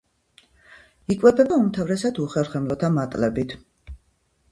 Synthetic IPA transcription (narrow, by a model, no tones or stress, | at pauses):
ikʼwɛbɛbaumt̪ʰavɾɛsad̪uχɛɾχɛmlɔt̪ʰamat̪ʼlɛbit̪ʰ